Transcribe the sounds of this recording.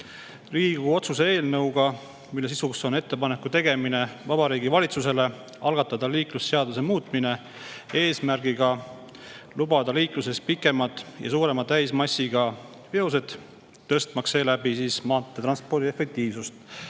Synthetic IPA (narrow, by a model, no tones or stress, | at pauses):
riːɡuo̞t̪susee̞ːlnɤwɡ̥ɑ | milːe̞s̬isukso̞ne̞t̪ːepɑne̞kːˑut̪e̞ɡ̥e̞mine̞vɑbɑɾiːɡivɑlʲit̪sus̬e̞le̞ | ɑlɡɑt̪ːˑɑd̪ɑliːklusːe̞ɑd̪use̞muːt̪ˑmine̞ | e̞ːsmæɾɡiɡ̥ɑ | lubɑd̪ɑliːkluse̞s̚pikːˑe̞mɑt̪ːˑjɑ̰suːɾe̞mɑt̪æjsmɑsːiɡ̥ɑ | peos̬e̞d̪̥ | t̪ːɤst̪mɑkse̞ːlæbisiːsmɑːt̪ˑːe̞t̪rɑnspo̞rd̪iefe̞k̚t̪iːvsust̪